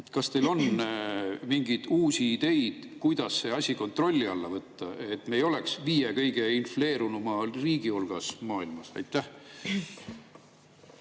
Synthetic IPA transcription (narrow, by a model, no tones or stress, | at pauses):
kɑst̪e̞jlo̞n | miŋɡid̪̥uːsiːd̪̥e̞jd̪̥kujd̪̥ɑsːeɑsʲiko̞nt̪ro̞lʲːiɑlːɑvɤt̪ːɑe̞t̪ːˑmejo̞le̞ksviːjekɤ̞jɡ̥e̞infle̞ːɾunumɑriːɡiolɡ̥ɑsmɑːilmɑsɑ̰jt̪ːˑæh